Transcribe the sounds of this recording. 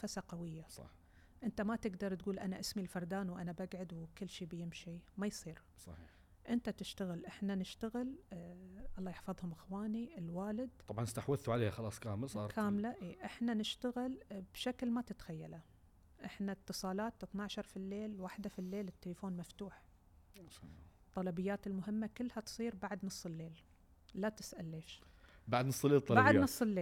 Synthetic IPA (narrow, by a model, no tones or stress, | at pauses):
fasaqawɪjːasˤɑ̰ħ | ʔɪnt̪amat̪ɪɡd̪ɑɾˤt̪ɡuːlʔanaʔɪsmilfɑɾˤd̪aːnwʔanabaɡʕʊd̪wkɪlːʃiːbjɪmʃimajsˤiːɾ | sˤɑ̰ | ʔɪnt̪at̪ɪʃt̪aɣɪlʔɪħnanɪʃt̪aɣɪl | ʔɑlˤːɑːjɪħfɨðˤhʊmʔɪxwaːniʔɪlwaːlɪd̪t̪ˤɑbʕɑnst̪aħwɪθːuʕaleːhaxɑlɑːsˤkaːmɪlsɑːɾkʰaːmlaʔiːʔɪħnanɪʃt̪aɣɪlb̥ʃaklmat̪ɪt̪xajːala | ʔɪħnat̪ːɨsˤɑːlɑːt̪ʔɪθnaʕʃɑɾˤfilːeːlwaːħd̪afilːeːlɪt̪ːɪlafoːnmaft̪uːħ | t̪ˤːɑlɑbɪjːaːt̪ɪlmʊɦɪmːakɪlːhat̪sˤiːɾbaʕd̪nɨsˤːɪlːeːl | lat̪ɪ̥sʔalːeːʃ | baʕd̪nɨsˤːlːeːlt̪ˤːɑbaʕdnɨsˤːɪlːeː